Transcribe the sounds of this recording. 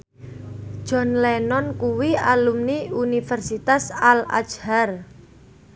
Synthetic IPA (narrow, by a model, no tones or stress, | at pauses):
ʒ̥ɔ̤nlɛnɔnkuwialumniunifɛrsit̪asala̰t͡ʃhar